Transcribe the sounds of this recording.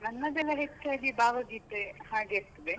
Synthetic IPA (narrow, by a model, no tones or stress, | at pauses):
nɐnːɐd̪elɐɦet͡ʃːaːɡibaːʋɐɡiːt̪ehaːɡeːɾt̪ɐd̪e